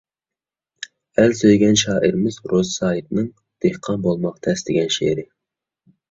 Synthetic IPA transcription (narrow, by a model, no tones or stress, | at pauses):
ælsøjɡʲɛnʃɑːʔiɾɪmɪzɾozsɑːjit̪nɨŋ | d̪̥ehqʰɑnbolˠmɑqt̪ʰɛsd̪ɪɡʲɛnʃḛɾɪ